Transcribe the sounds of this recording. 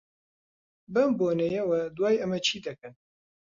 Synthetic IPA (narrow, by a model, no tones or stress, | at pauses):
bɐmboːnejɛwɛd̪wɑːjɐmɛt͡ʃʰiːd̪ɐkɨn